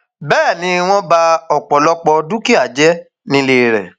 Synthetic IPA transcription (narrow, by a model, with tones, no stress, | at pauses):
bɛː˦˨nĩ˨˧w̃ɔ̃˦ba˧ɔ˨k͡pɔ˨lɔ˦k͡pɔ˧du˦ki˦a˦˨d͡ʒɛ˦ | nĩ˧le˦˨ɾɛ̰˨